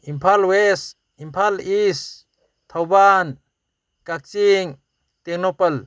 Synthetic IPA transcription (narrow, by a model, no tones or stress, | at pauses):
impʰalwes | impʰalis | t̪ʰawban | kak̚t͡ʃiŋ | t̪ek̚nopəl